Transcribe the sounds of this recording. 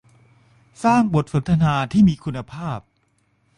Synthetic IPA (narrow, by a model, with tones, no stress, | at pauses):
saː˥˩ŋbo˨˩t̪̚so˩˦nt̪ʰa˧naː˧t̪ʰiː˥˩miː˧kʰu˧nːa˧pʰaː˥˩p̚